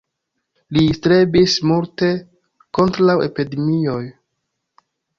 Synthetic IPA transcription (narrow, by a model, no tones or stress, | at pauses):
listɾebismulte̞ | ko̞ntɾawe̞̰pidemio̞j